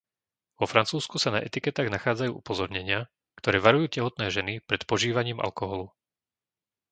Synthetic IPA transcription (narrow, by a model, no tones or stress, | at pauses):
ʋɔfɾant͡suːskusanaʔɛt̪ikɛt̪aːɣnaxaːd͡zajṵːʔupɔzɔɾɲɛɲɪa | kt̪ɔɾɛːʋaɾujuːcɛɦɔt̪nɛːʒɛnipɾɛt̪pɔʒiːʋaɲiːmʔa̰lkɔɦɔlu